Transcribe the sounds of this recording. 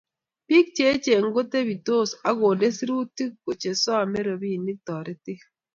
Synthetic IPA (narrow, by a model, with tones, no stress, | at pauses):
pi˦k̚t͡ʃe˨˦t͡ʃe˨ŋ̩˦ɡo˦te˦bi˨to˦˨sa˦ɡo˨de˦si˦ɾu˦ti˦kko˨t͡ʃe˨sɔ˦a˨me˦ɾo˨bi˦˨ni˦k̚tɔ˨ɾe˦ti˦